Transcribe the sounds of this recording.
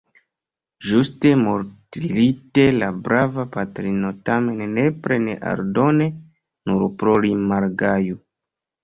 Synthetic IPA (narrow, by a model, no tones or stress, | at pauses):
ʒuste̞moɾtilite̞labɾavapatɾino̞tame̞nːe̞pɾe̞nḛʔa̰ɾdo̞ne̞ | nuɾpɾolimaɾɡaju